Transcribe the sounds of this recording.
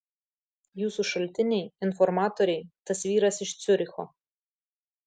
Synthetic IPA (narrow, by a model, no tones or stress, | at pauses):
juːsuʃɐlʲt̪ʲɪnʲɛjɪnfɔɾmɑːt̪oɾʲɛɪt̪ɐsʋʲiːɾɐsɪʃt̪sʲʊɾʲɪxɔ